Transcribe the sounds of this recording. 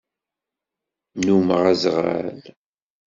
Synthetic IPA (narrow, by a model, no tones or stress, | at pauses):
numəʁæzʁa̰l